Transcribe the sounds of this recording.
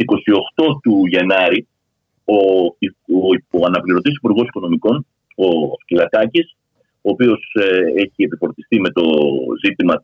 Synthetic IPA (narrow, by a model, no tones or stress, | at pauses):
iko̞sio̞xt̪o̞t̪uʝɐnɐɾi | o | oɐnɐpliɾo̞t̪is̬i̥puɾɣo̞si̥ko̞no̞miko̞n | oscilɐt̪ɐcis | o̞ːpio̞se̞çie̞pifo̞ɾt̪ist̪ime̞t̪o̞zit̪imɐ